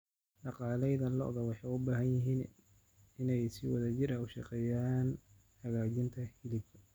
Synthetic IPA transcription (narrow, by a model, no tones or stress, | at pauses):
ɖɑqɑːlɛjðɐlɔ̰ʔðɐwɑħɑjʊbaːɦɐnjɪɦiːn | ɪnɛjsiːwɑðɐt͡ʃɪɾɐʊʃɑ̰qɛːjaːn | hɐɣaːt͡ʃɪnt̪ʰɐhɪlɪb